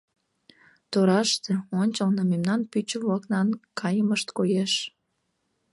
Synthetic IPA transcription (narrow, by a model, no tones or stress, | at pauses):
t̪oɾɑʃt̪eonʲt͡ɕəlnəmemnɑnpyt͡ɕəβlɑknɑnkʰɑjəməʃt̪kojeʃ